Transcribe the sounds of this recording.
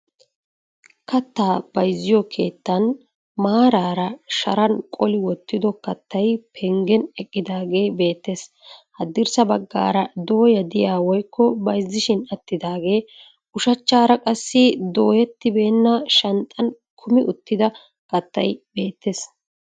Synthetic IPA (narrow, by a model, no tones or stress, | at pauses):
kɐt̪ːaːb̥ɐjzːɪjɔkʰe̞ːt̪ːɐn | maːɾaːɾɐʃɐ̰ɾɐnkʼɔlɪwɔt̪ːɪd̪ɔkɐt̪ːɐjpʰɛŋɡɛnɛkʼːɪd̪aːɡe̞ːbe̞ːt̪ːes | hɐd̪ːɪɾsɐbɐɡːa̰ːɾɐd̪o̞ːjɐd̪ɪjaːwɔjkːɔbɐjzːɪʃɪnɐt̪ːɪd̪aːɡe̞ː | ʊʃɐt͡ʃːaːɾɐkʼɐsːɪd̪o̞ːjɛt̪ːɪbe̞ːnːɐʃɐnt̪ʼɐn | kʰʊmɪʔʊt̪ːɪd̪ɐ | kɐt̪ːɐjbe̞ːt̪ːes